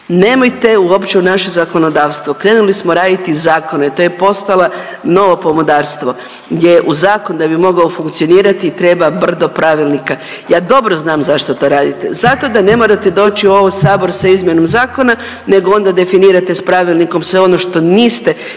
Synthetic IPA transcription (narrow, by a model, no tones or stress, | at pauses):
ne̞ːmojt̪e̞uopt͡ʃeunaʃezako̞no̞d̪aːʋst̪ʋokɾe̞ːnulismo̞ɾaːd̪it̪izaːko̞nat̪o̞ːjepo̞st̪alˠa | no̞ʋo̞po̞mod̪aːɾst̪ʋo̞ | ɡjjeʔuzaːkond̪abimo̞ɡaofuŋkt̪sio̞niːɾat̪iːt̪ɾe̞ːbabr̩d̪opɾaʋilˠnika | jaːd̪o̞bɾo̞znaːmzaʃt̪ot̪o̞ɾaːd̪it̪ḛzat̪o̞d̪ane̞moɾat̪ed̪o̞ːt͡ʃioo̞ʋojsaːbo̞ɾsaizmje̞nomzaːko̞na | ne̞ɡoo̞nd̪ad̪e̞finiːɾat̪espɾaʋilˠniko̞msʋe̞o̞no̞ʃt̪o̞niːst̪e̞